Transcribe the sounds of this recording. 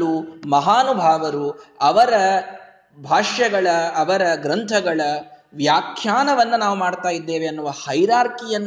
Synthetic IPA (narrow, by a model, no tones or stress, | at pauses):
umɐɦaːnubʱaːʋɐɾuɐʋɐɾɐ | bʱaːʂjɐɡɐɭɐːʋɐɾɐɡɾɐnt̪ʰɐɡɐɭɐʋjaːkʰjaːnɐʋɐnːɐnaːʋumaːɽt̪aːjid̪ːe̞ːʋeɐnːuʋɐhɐjɾaːɾkijɐnː